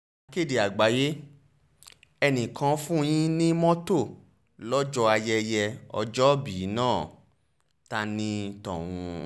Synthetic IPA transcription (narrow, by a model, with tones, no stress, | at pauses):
ke˦˨de˨a˨ɡ͡ba˨˦je˦ | ɛ˧nĩ˨kʰã˧˦fũ˦˧j̃ĩ˦nĩ˦mɔ̃˦to˦˨ | lɔ˦d͡ʒɔ˧a˧jɛ˧jɛ˧ɔ̰˧d͡ʒɔ˦bi˨˦nãː˦˨ | ta˧nĩ˦tɔ̰̃˨w̃ũ˧